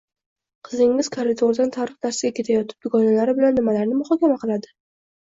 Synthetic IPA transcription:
qʰɨzɪŋːɪzkʰaɾɪd̪ʰoɾd̪ant̪ʰaɾɨχnaɾsɪɡʲakʲʰe̞t̪ʰajɒt̪ʰɪ̥p̚d̪ʊɡɒnalaɾɪbɪlanːɪmalaɾnɪmʊχɒkʲamaqɨlˠad̪ɪ

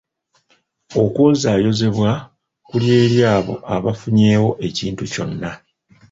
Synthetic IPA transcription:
o̞kwoːzaːjo̞ze̞βwa | kulje̞ːɾjaːβo̞̰ʔaβafuɲe̞ːwo̞ʔe̞ciːntuco̞̰nːa

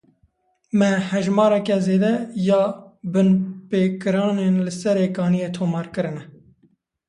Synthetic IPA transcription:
mɛhɛʒmɑːɾɛkɛzeːd̪ɛjɑːbɨnpeːkɨɾɑːneːnlɨsɛɾeːkɑːnijeːt̪ʰoːmɑːɾkɨɾɨnɛ

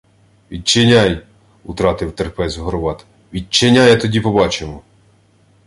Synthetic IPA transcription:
ʋʲid̚t͡ʃenʲaj | ut̪ɾɑt̪ɪwt̪erpɛzʲɦɔɾɔʋɑt̪ | ʋʲid̚t͡ʃenʲajɐt̪ɔdʲipɔbɑt͡ʃemɔ

